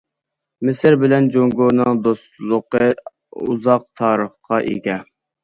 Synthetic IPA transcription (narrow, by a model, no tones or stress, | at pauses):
mɪsɪɾbɪlɛnd͡ʒoŋɡoɾnɨŋd̪ost̪lˠʊqə | ṵzɑq̚t̪ʰɑːɾəχqɑʔḛɡʲɛ